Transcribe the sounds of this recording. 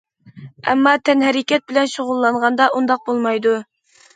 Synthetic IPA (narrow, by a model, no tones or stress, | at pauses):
ɛ̰mːɑt̪ʰɛnɦɛɾɪkʲɛt̪̚bɪlɛnʃoʁʊlˠːɑɴʁɑnd̪ɑʔund̪ɑq̚bolˠmɑjd̪u